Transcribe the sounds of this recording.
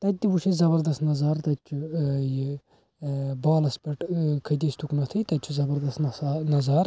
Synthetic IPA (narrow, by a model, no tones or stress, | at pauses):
t̪ɐt̪̚ʲt̪ːʲiʋuʃʰizɐbɐɾd̪ɐst̪nɐzaːɾt̪ɐt̪t͡ʃʰuji | baːlɐspɐʈkʰɐd̪ist̪uknɐt̪ʰɨt̪ɐt͡ʃʰuzɐbɐɾd̪ɐst̪ːnɐzaːɾ